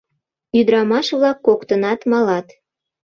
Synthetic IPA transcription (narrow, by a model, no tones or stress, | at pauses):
yd̪ɾɑmɑʃβlɑkːokt̪ənɑt̪mɑlɑt̪